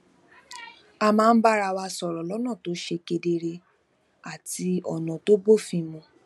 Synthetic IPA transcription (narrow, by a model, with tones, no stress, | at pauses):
a˧mãː˦n̩˦ba˦ɾa˧wa˧sɔ˨ɾɔ˨lɔ˨˦nã˦˨to˨˦ʃe˧ke˧de˧ɾe˧ | a˨ti˧ɔ˨nɔ̃˨to˦bo˦˨fĩ˧mũ˧